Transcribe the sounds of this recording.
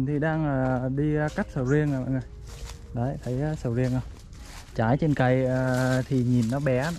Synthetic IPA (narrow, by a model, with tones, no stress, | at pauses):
nt̪ʰi˨˩ɗaː˧ŋəː˨˩ɗi˧ka˦˥jk̟̚sə˨˩wzi˧ənaː˨˩a̰˧˨˩ŋə˨˩j | ɗə˨˦jt̪ʰə˨˦jaː˨˦sə˨˧˩wzi˧ənə˧w | t͡ɕaː˧˩jt͡ɕe˧nka˧˩jə˨˩t̪ʰi˨˩ɲi˨˩nːɔ˨˦ɓɛ˨˦